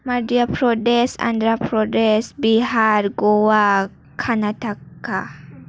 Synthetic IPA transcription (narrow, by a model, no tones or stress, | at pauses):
maɾdiapɾɔdɛsa̰nd̪ɾapɾɔdesbiɦaɾɡɔwa | kʰanat̪akːa